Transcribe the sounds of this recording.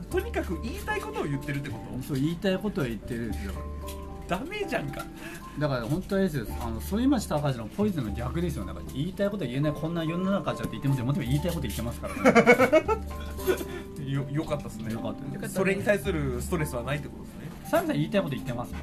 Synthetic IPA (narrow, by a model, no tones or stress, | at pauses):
t̪o̞ɲ̟ikakɯ̟ʔiːt̪aiko̞t̪o̞ːjɯ̟t̪ːe̞ɾɯ̟t̪ːeko̞t̪osoːiːt̪aiko̞t̪o̞ajɯ̟t̪ːe̞ɾɯ̟nd̪esɨjo̞̰ | d̪̥ame̞d͡ʑãŋka̰ | d̪akaɾahõ̞nt̪oɲd̪e̞s̬ɨjosa̰no̞soimaɕi̥t̪akaʑinopʰo̞iz̬ɨnoɡʲakɯ̟d̪e̞sɨjo̞naka̰ɾiːt̪aiko̞t̪oaienaikʰõ̞nːajonːanakat͡ɕat̪ːeit̪ːemas̬ɨjmot̪̬emaiːt̪aikot̪o̞it̪ːemasɨ̥kaɾa | jojokat̪ːasɨnejokat̪ːad̪essoɾe̞ɲit̪aisɨɾɯ̟sɨ̥t̪o̞ɾe̞sɨβanait̪ːeko̞t̪oesɨnesãiɡas̬ãiːt̪aiko̞t̪oit̪ːe̞masɨ̥